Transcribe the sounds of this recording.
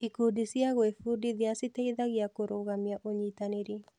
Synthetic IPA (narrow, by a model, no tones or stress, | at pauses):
ikudisjaɣwefudiðɪasiteiðaɣjakoɾoɣamjaʔoɲitaneɾe